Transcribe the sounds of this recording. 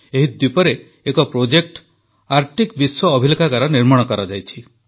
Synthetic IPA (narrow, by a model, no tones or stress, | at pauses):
eɦid̪wipɔɾeː | kɔpɾod͡ʒek̚ʈ | aɾʈikbiswɔːbʱilokʰakaɾɔniɾmɔɽ̃ɔkɔɾɔd͡ʒajt͡ʃʰi